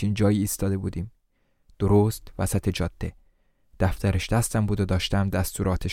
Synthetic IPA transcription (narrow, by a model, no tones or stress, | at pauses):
ind͡ʒɒːjiːst̪ɒːd̪e̞buːd̪iːm | d̪̥oɾoːst̪væsæt̪ʰe̞d͡ʒɒːd̪̥ːe̞ | d̪̥æft̪æɾeʃd̪æst̪æmbuːd̪od̪ɒːʃt̪æmd̪æst̪ʰuːɾɒːt̪ʰeʃ